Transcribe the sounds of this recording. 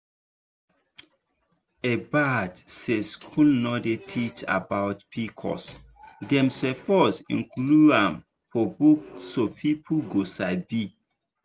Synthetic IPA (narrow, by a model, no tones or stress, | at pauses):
ebadseskʰulnɔdetʰit͡ʃa̰bawtpʰikʰɔ̰s | dɛ̃msɛfɔsḭ̃nkluãm | fɔbuksopʰipʰuɡosaɪbi